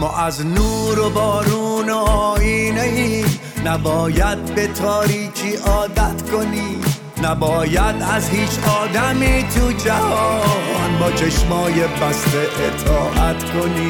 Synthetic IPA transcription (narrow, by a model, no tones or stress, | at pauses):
mɔːʔæznuːɾobɒːɾuːnoːiːnei | næbɒːjæd̪̚be̞t̪ʰɒːɾiːt͡ʃʰiːʔɒːd̪æt̪ko̞ni | næbɒːjæd̪æzhiːt͡ʃʰɒːd̪æmiːt̪ʰud͡ʒæhɒːnbɒːt͡ʃʰeʃmɒːjebæst̪eʔːt̪ʰɒːʔæt̪kʰo̞ni